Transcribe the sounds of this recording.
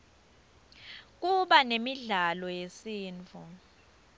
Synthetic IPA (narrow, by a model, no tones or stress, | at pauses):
k̬ʼuɓanemiɮalɔjesiːnt͡fʰu